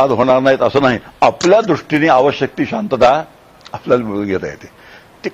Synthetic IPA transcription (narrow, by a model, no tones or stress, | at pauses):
ad̪ɦoɽ̃aɾnaɦit̪əsəːnaɦiapljad̪ɾuʂʈineːaʋəɕjək̚t̪iːɕant̪ət̪a | apljalim̤əɽuːnɡʱet̪a̰jḛt̪e | t̪i